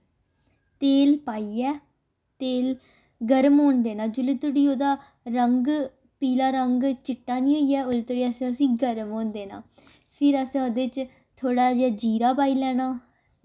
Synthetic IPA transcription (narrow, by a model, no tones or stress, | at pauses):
t̪eːlpaːiːɛː | t̪eːl | ɡəɾmɦoːnd̪eːnãːd͡ʒʊlɪt̪ʊɽiːoːd̪aː | ɾəŋɡ | piːlaːɾəŋɡt͡ʃɪʈːaːnĩːɦoːiːɛːʊlt̪ɽiːəsẽːəsĩːɡəɾmɦoːnd̪eːnã̰ː | pʰɪɾəsẽːoːd̪eːt͡ʃ | t̪ʰoːɽaːd͡ʒeːd͡ʒiːɾaːpaːiːlɛːñaː